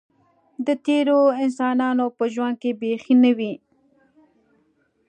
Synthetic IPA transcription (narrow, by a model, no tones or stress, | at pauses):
d̪ət̪eɾoɪnsɑnɑnopəʒwand̪̚kebexinəwi